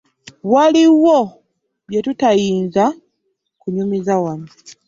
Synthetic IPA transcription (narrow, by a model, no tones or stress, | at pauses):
waliwo | βjetutajiːnza | kuɲumizawan